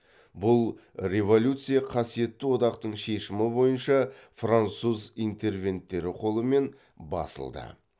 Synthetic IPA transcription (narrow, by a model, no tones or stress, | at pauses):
bʊlˠ | re̞vo̞lʲut̪sɨjɑqʰɑsije̞t̪ːɪwo̞d̪ɑqt̪əɴʃe̞ʃɪmɪbo̞jənʃɑfrant̪suzijnt̪e̞rvʲe̞nt̪ːe̞ɾɪqʰo̞lˠəme̞n | bɑ̰sə̰lˠd̪ə̰